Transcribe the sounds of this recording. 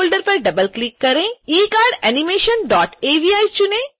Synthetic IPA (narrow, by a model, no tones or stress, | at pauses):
olɖəɾpɐɾɖɐbəlklikːɐɾẽiːkaːɾɖɛnimeːʃənɖɔːʈeːʋiaːit͡ʃʊnẽ